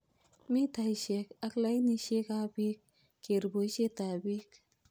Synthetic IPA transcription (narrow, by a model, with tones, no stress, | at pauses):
mi˦t̪ʰajʃe˧kɐkla˦jniʃe˦kabi˦k̚ː | e˨ɾboʃe˦t̪abik